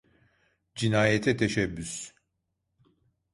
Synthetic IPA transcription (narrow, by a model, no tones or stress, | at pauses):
d͡ʒinaːjɛt̪ʰɛt̪ʰeʃɛbːys